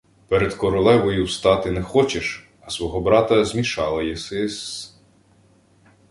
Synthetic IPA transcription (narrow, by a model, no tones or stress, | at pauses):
pɛɾed̪kɔɾʊlˠɛʋɔjuwst̪ɑt̪ɪnɛxɔt͡ʃeʃ | ɐsʋɔɦɔbɾɑt̪ɐzʲmʲiʃɑlˠɐjɛsɪs